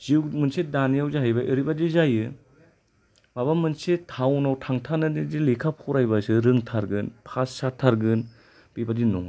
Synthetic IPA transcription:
ziwmɯnsedanijawzaɦajbaʔɯɾibadizajɯ | mabamɯnsetʰawnawtʰaŋtʰanɯdidilikʰapʰɔɾajbasɯɾɯŋtʰaɾɡɯnpʰasːatʰːaɾɡɯn | b̥ibadinɔŋa

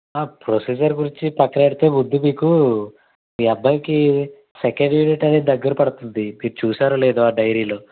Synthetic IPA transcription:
aːpɾosiːd͡ʒɐɾɡuɾiɲt͡ʃipɐkːɐeɽit̪eːmud̪ːumiːku | iɐbːɐmiki | sekeɳɖʋiːniʈɐneːd̪ɐɡːɐɾɐpɐɽut̪und̪imiːɾut͡ʃuːsaːɾuleːd̪uaːɖɐjɾiːlo̞ː

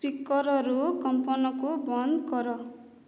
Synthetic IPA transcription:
pikːʌɾʌɾukʌmpʌnʌkobʌnd̪ɡʌɾʌ

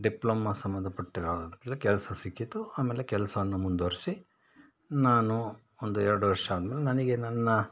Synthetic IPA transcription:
ɖiploːmasɐmːɐnd̪ʱɐpɐʈːiɾaːd̪ɐnt̪ɐlːɐkɛlɐsɐsikːit̪ːuaːmeːlekɛlɐsɐʋɐnːumund̪oːɾisi | naːnu | ond̪uɛɾɐɽuʋɐɾʂɐaːd̪ɐmeːlenɐnɐɡe̞nɐnːɐ

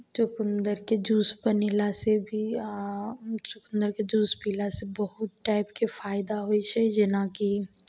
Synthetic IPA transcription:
t͡ʃʊkʊnd̪əɾked͡ʒuːspənilasebʱi | t͡ʃʊkʊ̃nd̪əɾked͡ʒuːspiːlasebəɦʊt̪̚ʈaːɪpkefʰaːɪd̪aɦoit͡ʃʰɛd͡ʒɪnaki

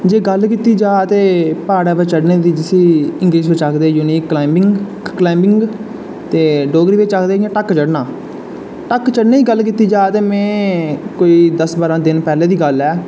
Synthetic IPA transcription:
d͡ʒeːɡəlkiːt̪iːd͡ʒaːt̪eːpaːɽaːbət͡ʃəɽneːd̪iːd͡ʒɪsiːɪŋɡɾiːsbət͡ʃakʰd̪eːjuːniːkːaɪŋ | klaːɪmbɪŋɡ | t̪eːɖoːɡɾiːbeːt͡ʃakd̪eːjãːʈəkt͡ʃəɽnãː | ʈəkt͡ʃəɽneːiːɡəlkiːt̪iːd͡ʒaːt̪eːmɛ̃ːkoːiːd̪əsbaːɾãːd̪ɪnpɛːleːd̪iːɡəlɛː

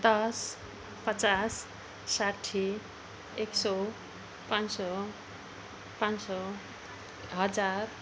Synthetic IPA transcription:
d̪ʌs | pʌt͡sasː | aʈʰːi | eksɔ | pansɔ | pãnsɔ | ɦʌd͡zar

